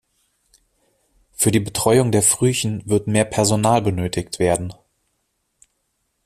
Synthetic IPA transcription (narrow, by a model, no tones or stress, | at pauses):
fyːɐdiːbətʁ̥ɔʏʊŋdeːɐfʁ̥yːçn̩vɪɐtmeːɐpʰɛɐzonaːlbənøːtʰɪktv̥eːɐdn̩